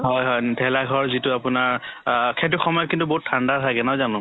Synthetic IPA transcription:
ɦɔjɦɔjdʱɛlaɡʱɔɹzitʊapʊnaɹkʰɛtʊxɔmɔjɔt̚kintubɔɦuttʰːandatʰajɡɛnazanʊ̃

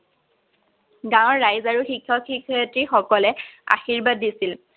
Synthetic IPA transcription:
ɡãwɔɹːajzaɹuxikʰːɔkʰikʰːɔjtɹixɔkɔlɛa̰xiɹbadːisil

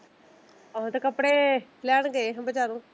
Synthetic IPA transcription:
õt̪ekəpɽeːlɛːɳɡeːɦəmbəd͡ʒaːɾũː

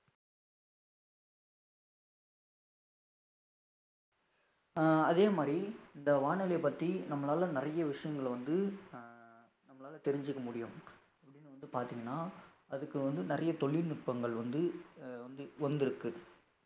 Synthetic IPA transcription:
ɐðeːmaːd̪ɾiɪnd̪ɐʋaːɳɐlepːɐt̪ːinɐmːɐlaːlɐnɪrɐjɐʋɪʂɐjɐŋɡɐɭʋɐnd̪ɯ | nɐmːɐlaːlɐt̪ɛɾɪɲd͡ʒɯkːɐmʊɽɪjɯm | ɐpːɐɽɪnːɯʋɐnd̪ɯpaːɾt̪iːŋɡɐnːaː | ɐðɯkːɯʋɐnd̪ɯnɪɾɐjɐt̪ɔɭɪnɪʈ̚pɐŋɡɐɭʋɐnd̪ɯʋɐnd̪ɯʋɐnd̪ɪɾɯkːɯ

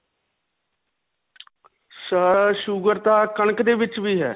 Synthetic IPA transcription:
səəʃʊɡəɾt̪aːkəɳkd̪eːʋɪt͡ʃʋiːɦɛ̰ː

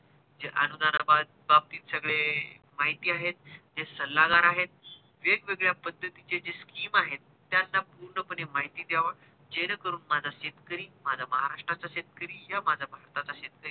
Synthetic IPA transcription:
d͡zeʔənud̪anababab̚t̪iːt̪səɡɭe | maɦit̪iːaɦet̪̚d͡ʑesəlːaɡaɾaɦet̪̚ | ʋeɡʋeɡɭjapəd̪ʱːət̪it͡ɕed͡zeskiːmaɦet̪ːjanːapuɾɳəpənemaɦit̪iːd̪jaʋəɽ | d͡ʑenəkəɾuːnmad͡zʱaɕed̪kəɾiːmad͡zʱaməɦaɾaʂʈɾat͡saɕed̪̚kəɾiːjamad͡zʱabʱaɾt̪at͡saɕed̪̚kəɾiː

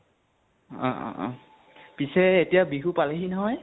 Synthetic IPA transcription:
ɔ̰̃ | pisɛːtijabiɦupaleɦinɔɦɔj

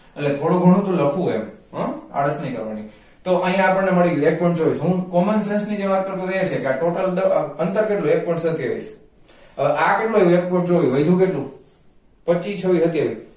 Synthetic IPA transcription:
eʈlet̪ʰoɽ̃ũɡʱəɽ̃ũt̪ũləkʰũḛmɦə̃a̰ɽəsnəĩkə̰ɾʋani | t̪oʔəɦĩjãapəɽneməɭiek̚pɔɳʈt͡ʃoʋisɦũkɔmənsensnid͡ʒeʋat̪̚kəɾt̪õt̪et͡ʃʰekeaʈoʈəld̪əənt̪əɾkeʈlũek̚pɔj̃ɳʈsət̪ʰiʋə̰is | əʔakeʈluəek̚pɔɳʈt͡ʃoʋiʋəjd̪ʱũkeʈlũ | pət͡ʃit͡ʃʰəʋiɦət̪ieʋi

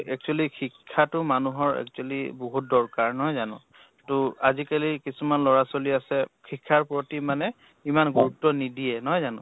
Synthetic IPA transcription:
ɛk̚t͡ʃualixʰikʰːatʊmanuɦɔɹɛ̰k̚t͡ʃualiboɦut̚dɔɹkaɹnɔɦɔjzanʊ̰̃ | tʊazikalikisumanlɔɹasoliasɛkʰikʰːaɹpɹotimanɛ | imanɡuɹutːɔnidiɛnɔɦɔjzanʊ̰̃

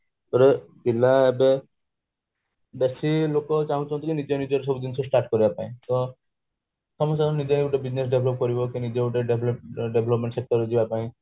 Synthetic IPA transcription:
t̪ɔɾe | bilaebe | besilokɔt͡ʃaɦũt͡ʃʰɔnt̪ɔkinid͡ʒɔnid͡ʒɔɾsɔbud̪insʰɔsʈaɾʈkɔɾibapaĩt̪ɔ | sɔmɔst̪anid͡ʒeeɡuʈebid͡ʒnes̬ɖebʱlɔp̚kɔɾibɔkinid͡ʒeɡuʈeɖeblɔpɖebʱlɔpmẽɳʈsek̚ʈɔɾed͡ʒibapaĩ

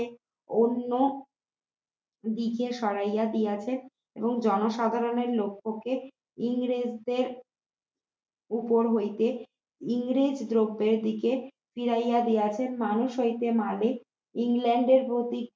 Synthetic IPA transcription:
onːo | d̪ikeʃɔɾajad̪ijat͡ɕʰen | eboŋd͡ʑɔnoʃad̪ʱaɾoneɾlokʰːoke | iŋɾed͡ʑd̪eɾ | upoɾɦojt̪e | iŋɾed͡ʑd̪ɾobːeɾd̪ike | fiɾajad̪ijat͡ɕʰenmanuʃojt̪emale | iŋlɛɳɖeɾpot̪i

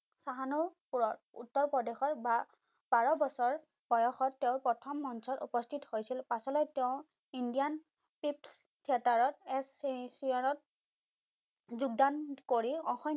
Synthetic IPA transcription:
saɦanupuɹɔt | ṵtːɔɹpɔdexɔɹba | baɹɔbɔsɔɹ | b̥ɔjɔxɔtːeʊ̃pɹɔtʰɔmːɔnsɔtṵpɔstʰithojsilpasɔlɔjteʊ̃ | indijan | pips | tʰiɛtaɹɔtɛssiɔnɔt̚ | zuɡ̚dankoɹiɔ̃xɔ

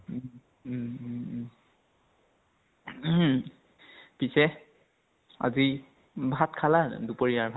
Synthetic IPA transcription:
pisɛ | a̰zi | bʱatkʰala̰dupoɹijaɹbʱa

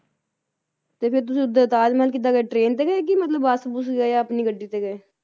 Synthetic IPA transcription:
t̪eːpʰɪɾt̪̬ʊsĩːʊd̪ːəːt̪aːd͡ʒməlk̬iːt̪aːɡeeʈɾeːnt̪eːɡɛk̬imət̪ləbaːsbus̬ɡeːjaəpniːɡəɖːiːt̪eːɡɛeː

